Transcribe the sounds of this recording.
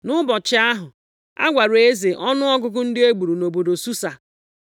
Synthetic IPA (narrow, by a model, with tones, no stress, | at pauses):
nʊ˦bɔ˨t͡ʃɪ˦a˦ɦʊ˨ | a̰˦ɡʷa˨ɾe˦ze˨ʔɔ˦nʊ˦ɔ˦ɡʊ˦ɡʊ˦n̩˦dɪ˦e˦ɡ͡bu˨ɾu˨no˨bo˨do˨su˦sa˨